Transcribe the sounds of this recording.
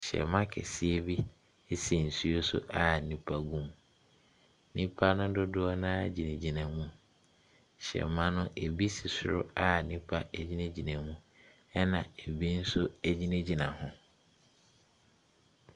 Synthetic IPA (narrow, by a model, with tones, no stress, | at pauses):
ɕɛ̰˨mã˦kʰɛ̰˨sɪ˦e˦bi˦ | si˨n̩˨su˦o˦sʊ̰˦ʔa˨nĩ˦pʰa˦ɡũ˦m | nĩ˦pʰa˦nʊ̃˦dʊ˦dʊ˦ɔ˦nãː˦d͡ʑi˨nẽ˨d͡ʑi˨nã˨mũ˦ | ɕɛ̰˨mã˦nʊ̃˦ʔe˨bi˦si˨sʊ˦ɾʊ̰˦a˦˨nĩ˦pʰa˦æ˨d͡ʑi˦nẽ˦d͡ʑi˨nã˨mũ˦ | ɛ˦nã˨e˨bi˦n̩˦sʊ˦æ˦d͡ʑi˦nẽ˦d͡ʑi˨nã˨hʊ̃˨